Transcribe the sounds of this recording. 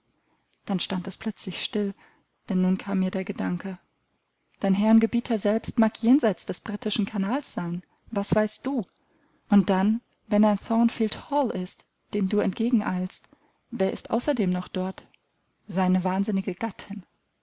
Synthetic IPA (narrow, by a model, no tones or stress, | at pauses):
d̥anʃtantɛspl̥œt͡slɪçʃtɪl | d̥ɛnːuːnkʰaːmːiːɐdeːɐɡədaŋkə | d̥aɪnɦɛɐnɡəbiːtʰɐzɛlpstmaːkjeːnzaɪt͡sd̥ɛsb̥ʁitʰɪʃn̩kʰanaːlsz̥aɪn | vasv̥aɪst̚d̥uː | ʔʊnt̚d̥an | vɛnaɪnθɔːnfiːlthɔlɪst | d̥eːmduːɛntɡ̥eːɡŋ̩ʔa̰ɪlst | veːɐɪstʔa̰ʊsɐdeːmnɔχd̥ɔɐt | z̥aɪnəvaːnzɪnɪɡəɡ̥atʰɪn